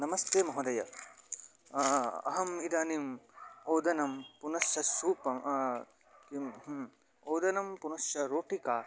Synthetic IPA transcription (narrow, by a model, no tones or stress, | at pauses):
nɐmɐst̪eːmɐɦɐd̪ɐjɐ | ɐ̰ɦɐmid̪aːnimoːd̪ɐnɐmpunɐʃjɐsuːpɐ | ki | oːd̪ɐnɐmpunɐʃjɐɾoːʈikaː